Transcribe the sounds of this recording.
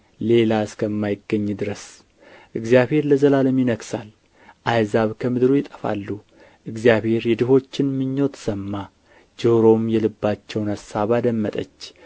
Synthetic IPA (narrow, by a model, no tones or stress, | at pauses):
le̞laɨskʰəmːajɪɡːəɲːd̪ɨɾəs | ʔɨɡzjaβhe̞ɾləzəlaləmjɪnəɡsal | ʔajzaβkʰəmɨd̪ɾujɪt̪ʼə̥fa̰lːu | ʔɨɡzijaβhe̞ɾjɛd̪ɨɦo̞t͡ʃːɪnmɨɲːo̞t̪ʰsəmːa | d͡ʒoɾo̞mjɛlɨbːat͡ʃːɛwnasːaβad̪əmːət̪ʼə̰t͡ʃː